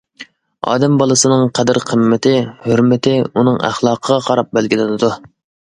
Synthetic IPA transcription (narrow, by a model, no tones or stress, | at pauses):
ɑ̰ːd̪ɛmbɑlˠɨsɨnɨŋqʰɛd̪ɪɾqʰəmːɪt̪ʰɪhøɾmɪt̪ʰɪunɨŋæ̰χlˠɑːqʰəʁɑqʰɑɾɑp̚bɛlɡʲilɪnɨd̪u